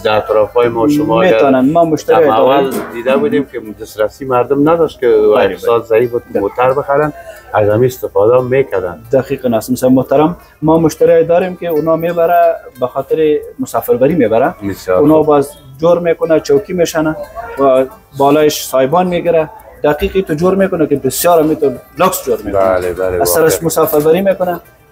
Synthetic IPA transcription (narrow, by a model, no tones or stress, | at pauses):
d̪aːt̪ɾɔfɔjmɔʃʊmɔmet̪ɔnanmamʊʃt̪aɾjaɔwald̪id̪abud̪emkɪd̪ɪst̪ɾasimaɾd̪ʊmnad̪ɔʃt̪̚kɪwafsɔt̪zaifbud̪̚mot̪aɾbəxaɾanazamiɪst̪ɪfɔd̪amekad̪a̰nd̪aqiqnast̪ɪmsamʊht̪aɾamː | ɔmʊʃt̪aɾɑjed̪ɔɾemkeʊnɔmebaɾabaxɔt̪ɪɾɪmʊsɑfɪɾbaɾimebaɾabɪsjɔʊnɑbɑzd͡ʒoɾmekʊnat͡ʃawkimeʃanawa | bɑlɑjɪʃsɑhɪbɔnmeɡiɾa | d̪aqiqit̪od͡ʒoɾmekʊnakebɪsjɑɾamit̪ʊloksd͡ʒoɾmebanalebaleasaɾasmʊsɑfɪɾbaɾimekʊna